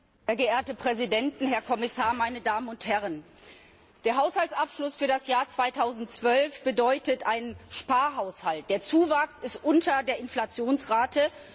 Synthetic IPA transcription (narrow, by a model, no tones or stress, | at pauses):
hɛːɐɡəʔeːɐtəpʁ̥ɛzidɛntn̩ɦɛɐkʰɔmɪsaːɐmaɪnədaːmənʊnthɛʁən | d̥eːɐɦaʊshaltsʔapʃlʊsfyːɐdasjaːɐt͡sv̥aɪtʰaʊzn̩tt͡sv̥œlfb̥ədɔʏtətʔaɪnənʃpaːɐɦaʊshalt̚d̥eːɐt͡suːvaksɪstʔʊntʰɐdeːɐʔɪnflat͡sjoːnsʁaːtə